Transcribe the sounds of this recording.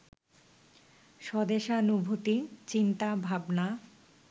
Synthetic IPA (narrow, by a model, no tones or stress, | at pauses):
ʃɔd̪eʃanubʱut̪it͡ɕint̪abʱabna